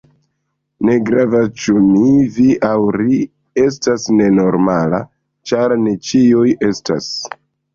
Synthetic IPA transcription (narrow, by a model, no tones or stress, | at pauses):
ne̞ɡɾavast͡ʃuniviʔawɾi | e̞s̬tasne̞no̞ɾmala̰ | t͡ʃaɾnet͡ʃiuje̞sta̰s